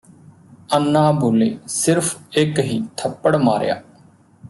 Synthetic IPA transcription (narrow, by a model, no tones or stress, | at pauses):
ənːaːbʱoːleːsɪɾpʰɪkɦiːt̪ʰəpːəɽmaːɾja̰ː